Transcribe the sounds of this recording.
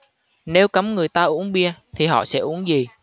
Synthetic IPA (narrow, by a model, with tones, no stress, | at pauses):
ne˨˦wkə˨˦mŋɨ˨˩əjt̪aː˧ʔu˨˦əŋɓi˧ət̪ʰi˨˩ɦɔ̰˧˨sɛ̰˧˥ʔu˨˦əŋzi˨˩